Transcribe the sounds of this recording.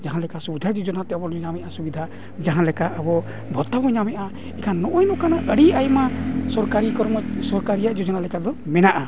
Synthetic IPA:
d͡ʒaɦãlɛkasubid̪ʱad͡ʒud͡ʒɔnat̪ɛabɔɲamɛʔasubid̪ʱa | d͡ʒaɦãlɛkaʔabɔ | bʱɔt̪abɔɲamɛʔa | ɛkʰanːɔʔɔjnɔʔkanaʔəɽiajmasɔɾkaɾikɔɾmɔsɔɾkaɾijaʔd͡ʒud͡ʒɔnalɛkad̪ɔmɛnaʔa

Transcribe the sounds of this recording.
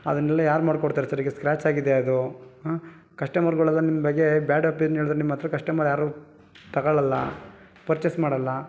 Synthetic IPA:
ɐ̰d̪ɐnɛlːɐjaːɾumaːɖkoɽt̪aːɾesɐɾiɡeskɾaːt͡ʃaːɡid̪eɐd̪u | kɐʂʈɐmɐɾɡɔɭɐlːɐnimːɐbɐɡːebjaːɖɐpenɦeːɭud̪ɾenimːɐt̪ːɾɐkɐʂʈɐmaːɾjaːɾu | t̪ɐɡɐɭɐlːɐ̰ | pɐɾt͡ʃesmaːɽɐlːɐ

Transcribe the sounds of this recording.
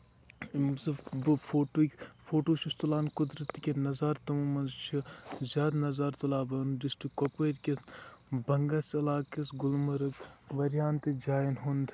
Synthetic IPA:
mzbfʰoːʈfʰoːʈoːʃʰust̪ulaːnkʊd̪ɾɐt̪kʲenɐzaːɾt̪ɐmumɐnzt͡ʃʰizʲaːd̪nɐzaːɾt̪ɐlaːbɐnɖisʈikːopʋeɾʲkʲes | bɐŋɡasɐlaːkɐsɡʊlmɐɾɐk | ʋɐɾjaːnt̪id͡ʒaːinɦond̪

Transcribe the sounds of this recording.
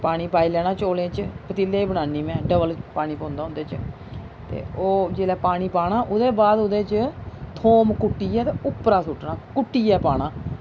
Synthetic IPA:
paːɽ̃iːpaːiːlɛːɽ̃aːt͡ʃoːlẽːt͡ʃəpət̪ɪlːeːbəɽ̃aːniːmɛ̃ːɖəbəlpaːɽ̃iːpõːnd̪aːʊ̃nd̪eːt͡ʃ | t̪ḛːoːd͡ʒeːlɛːpaːɽ̃iːpaːɽaːʔʊd̪eːbaːd̪ʊd̪eːt͡ʃət̪ʰoːmkʊʈːiːɛːt̪eːʊpːɾaːsʊʈnaːkʊʈːiːɛːpaːɽ̃aː

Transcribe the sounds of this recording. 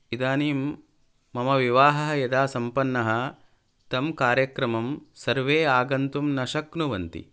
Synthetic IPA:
id̪aːniːmː | ɐmɐʋiʋaːɦɐɦɐjɐd̪aːsɐmpɐnːɐɦɐ | t̪ɐmkaːɾjɐkɾɐmɐmsɐɾʋeːaːɡɐnt̪umnɐʃɐknuʋɐnt̪ḭ

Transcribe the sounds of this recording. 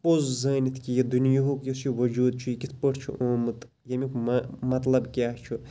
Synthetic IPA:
pozzɐːnit̪ʰkʲijɐd̪unjoɦokjɐsiʋɐd͡ʒuːd̪̚t͡ʃʰujikʲit̪ʰpəʈt͡ʃʰṵʔoːmɨt̪ | jɐmikmɐmɐt̪lɐbkʲaːt͡ʃʰu

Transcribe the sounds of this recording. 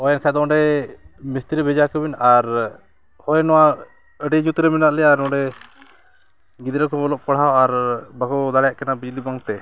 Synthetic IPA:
ɔjɛnkʰad̪ɔɖɛmist̪iɾbʱɛd͡ʒakəbinaɾ | hɔjnɔwa | əɖiɲut̪ɾɛminaʔlɛaɾnɔɖɛ | ɡid̪ɾakɔɔlɔʔ̚kɔɽ̤awaɾbakɔd̪aɽɛjaʔkɛnabid͡ʒlibaŋt̪ɛ

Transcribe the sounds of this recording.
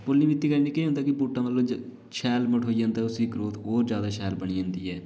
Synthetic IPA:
polːiːbɪt̪ːiːkəɾiniːkeːɦʊ̃nd̪aːkɪpuːʈːãːməlːõː | ʃɛːlməʈʰɦoːiːd͡ʒãːnd̪aːʊsiːkɾoːt̪ɦɔːɾd͡ʒjaːd̪aːʃɛːlbəɳ̃iːd͡ʒãːnd̪iːɛː

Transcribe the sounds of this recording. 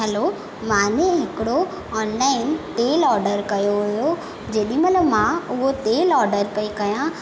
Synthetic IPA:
ɦɛlo | mãːnẽɦɪkɪɽo | ɔːnlaːɪnt̪eːlɔːɾɖəɾkɐjoɦʊjo | d͡ʑeːɗĩmɐləmãʊɦot̪elɔːɾɖəɾpɐikɐjã

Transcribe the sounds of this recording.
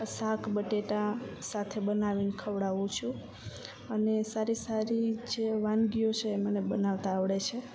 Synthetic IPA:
sakʰbəʈeʈãsat̪ʰebənaʋinkʰəʋɽaʋũt͡ʃʰũ | ənesaɾisaɾid͡ʒeʋanɡijot͡ʃʰeːmənebənaʋt̪aːʋɽet͡ʃʰe

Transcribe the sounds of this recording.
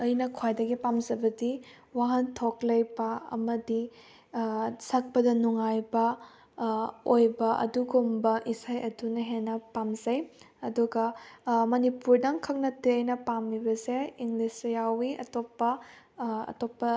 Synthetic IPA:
ɐjnɐkʰojdɐɡipamzɐbɐdi | waɦɐntʰoklɐjbɐɐ̰mɐdi | sɐk̚pɐdɐnuŋajbɐ | ojbɐʔɐ̰duɡumbɐʔisajɐdunɐɦenɐpamzɐj | ɐduɡɐmɐnipuɾdɐŋkʰɐk̚nɐtiɐjnɐpamːibɐseiŋlisjawiɐ̰topːɐ | ɐ̰topːɐ

